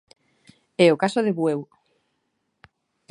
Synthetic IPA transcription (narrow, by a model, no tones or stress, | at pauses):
ɛokasoðeβwew